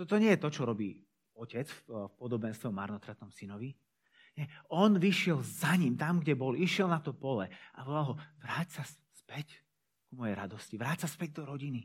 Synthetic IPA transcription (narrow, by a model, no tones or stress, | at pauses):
t̪ɔt̪ɔɲɪɛjɛt̪ɔt͡ʃɔɾɔbiː | ɔcɛt͡sffpɔd̪ɔbɛnst̪ɛɔma̰ɾnɔt̪ɾat̪nɔmsinɔʋi | ɲɛɔnʋiʃɪɛlzaɲimt̪amɡɟɛbɔliʃɪɛlnat̪ɔpɔlɛa̰ʋɔlalˠɦɔʋɾaːcsaspɛc | kumɔjɛjɾad̪ɔsciʋɾaːtsaspɛɟ̚d̪ɔɾɔɟini